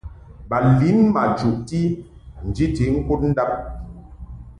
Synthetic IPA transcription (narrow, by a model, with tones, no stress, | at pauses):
ba˨li˨˦nma˨d͡ʒu˨ʔ̚ti˦ | n̩˨d͡ʒi˦ti˨˦ŋ̩˦ko˦t̚n̩˦da˦p̚